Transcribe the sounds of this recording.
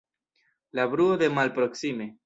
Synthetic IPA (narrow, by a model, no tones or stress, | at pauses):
labɾuode̞malpɾo̞ksime̞